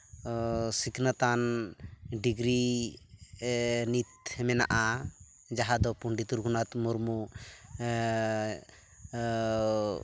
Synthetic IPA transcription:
siknat̪an | ɖiɡɾi | nit̪̚hɛmɛna̰ʔa | d͡ʒaɦad̪ɔpuɳɖit̪uɾkunat̪muɾmu

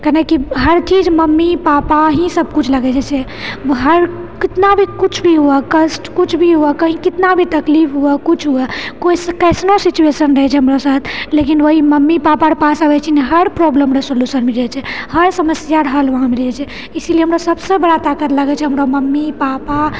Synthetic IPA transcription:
kənekiɦəɾt͡ʃid͡ʒməmːipapaɦĩsəb̚ʱkut͡ʃʰləɡɛt͡ʃɛt͡ʃʰɛ | ɦəɾkit̪nabʱikut͡ʃʰbʱiɦuɛkəsʈkut͡ʃʰbʱiɦuɛkəɦĩkit̪nabʱit̪əklifʰɦuɛkut͡ʃʰɦuɛkoiskəɪsnosit͡ʃuesənɾəɦɛt͡ʃʰɛɦəmɾasat̪ʰlekinʋəɦiməmːipapaɾpasabɛt͡ʃʰɛneɦəɾpɾɔbləmɾesoljusənmiɾɛt͡ʃʰɛhəɾsəməsjaɾɦəlʋəɦãmiɾɛt͡ʃʰɛ | isilieɦəmɾasəbsebəɽat̪akət̪ləɡɛt͡ʃʰɛɦəmɾaməmːipapa

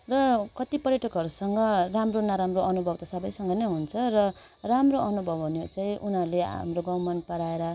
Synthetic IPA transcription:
rʌkʌt̪ipʌɾjʌʈʰʌkɦʌɾusʌŋɡʌramronaɾamroʔʌnubʱʌb̚t̪asʌbʌjsʌŋɡʌnejɦunt͡sʰʌrʌ | ramroʔʌnubʱʌbʱunet͡saĩʔunɦʌɾleɦa̰mroɡʌwmʌnpʌɾaeɾʌ

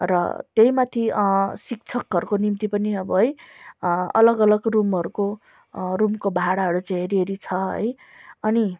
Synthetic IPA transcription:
rʌ̰t̪eɦjmat̪ʰiʌsik̚t͡sʰʌkɦʌɾukonimt̪ipʌniʌbʌɦʌj | ʌ̰lʌɡʌlʌɡrumɦʌɾuko | rumkobʱaaɽaɦʌɾut͡sãɦeɾieɾit͡sʰʌɦʌ̰j | ʌni

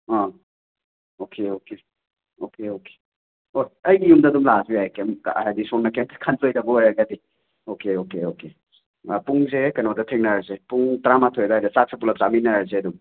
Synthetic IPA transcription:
ɔ | okʰeoke | okeoke̥ | ojɐjɡijumdɐːdumlaziajkemɦajdisɔnːɐkentʰkʰantojtabɐwajaɡadi | okeokeoke | puŋzekɐnodɐtʰeŋnaɾzepuŋtɾamatʰojdaajdɐsak̚sip̬ulɐp̚zaminɐɾzeɐduŋ

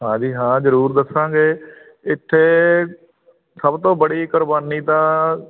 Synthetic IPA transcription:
ɦãːd͡ʒiːɦãːzəɾuːɾd̪əsãːɡeː | ɪt̪ʰːeː | səbt̪õːbəɽiːkʊɾbaːniːt̪ãː

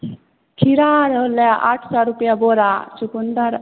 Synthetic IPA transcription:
kʰiɾaːɾʌljaʔa̰ʈʰsaɾupjaboɾat͡ʃʰukund̪əɾ

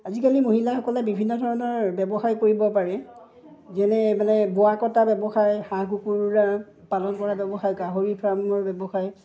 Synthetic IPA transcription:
azikalimoɦilaxɔkɔlɛbibʱinːɔdʱɔɹɔnɔɹbɛbɔxajkoɹibɔpaɹɛ | zɛnɛmanɛboakɔtabɛbɔxajxãkukuɹɹa | palɔnkɔɹabɛbɔxajɡaɦoɹipʰamɔɹbɛbɔxaj

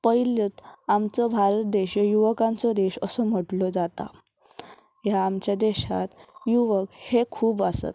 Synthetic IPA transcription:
pəjlət̪amt͡sɔbʱaɾət̪̚d̪eɕjəjuʋəkãnt͡sɔd̪eɕəsɔm̤əʈlɔd͡zat̪a̰ | jaːmt͡ɕjad̪eɕa̰t̪juʋəkhekʰuːbasə̰t̪

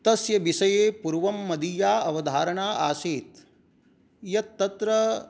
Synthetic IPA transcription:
t̪ɐsjɐʋisɐjeːpuɾʋɐmːɐd̪ijaːɐʋɐd̪ʱaːɾɐɳaːʔaːsiːt̪ | jɐt̪ːɐt̪ɾɐ

